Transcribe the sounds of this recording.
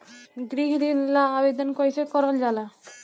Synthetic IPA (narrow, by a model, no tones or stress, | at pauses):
ɡɾiɦd̪inlaabed̪onkoɾet͡ɕʰekɔɾold͡ʑala